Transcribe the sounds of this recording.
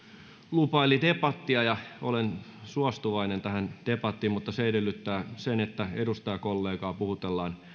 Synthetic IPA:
lupɑilit̪epɑt̪ːiɑjɑolensuɑst̪uʋɑinent̪æhænt̪epɑt̪ːiːmmut̪ːɑseedelːyt̪ːæːsenet̪ːæedust̪ɑjɑkolːeːkɑːpuhut̪elːɑːn

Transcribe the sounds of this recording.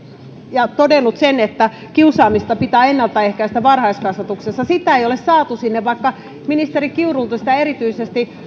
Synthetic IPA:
jɑt̪odenːˑut̪senet̪ːæ | kiusɑːmist̪ɑpit̪æːenːɑlt̪ːˑɑehkæist̪æʋɑrhɑiskɑsʋɑt̪uksesːɑsit̪æeiolessɑːt̪usinːeʋʋɑikːɑ | minist̪erikiurult̪usi̥t̪æeɾit̪yisest̪i

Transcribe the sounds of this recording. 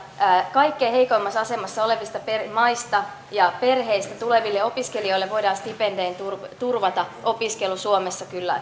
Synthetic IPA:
kɑikːeːhe̞ikoimːɑsɑse̞mɑsːɑole̞ʋist̪ɑpermɑist̪ɑ | jɑpe̞rɦe̞ist̪æt̪ule̞ʋilːeo̞piske̞lio̞ilːeʋʋo̞idɑːnst̪ipendeːnt̪urt̪urʋɑt̪ɑʔo̞piskelusuomesːɑkylːæ̰

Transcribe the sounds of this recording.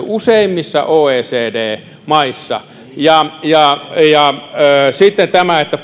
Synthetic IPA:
useˑimːisːɑ̰ʔoːeːseːdeː | mɑisːɑ̰ | jɑjɑjɑː | sit̪ːent̪æmæet̪ːæp

